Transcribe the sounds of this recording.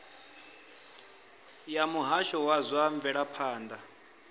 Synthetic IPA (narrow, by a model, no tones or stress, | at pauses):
jamuɦaʃɔwazʷaɱvɛɺapʰaːnda